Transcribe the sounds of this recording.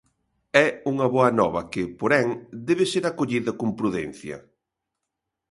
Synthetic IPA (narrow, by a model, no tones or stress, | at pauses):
ɛuŋɐβɔɐnɔβɐkɪpoɾɛŋd̪ɛβɪseɾakoʎiðɐkompɾuðɛn̟θjɐ̰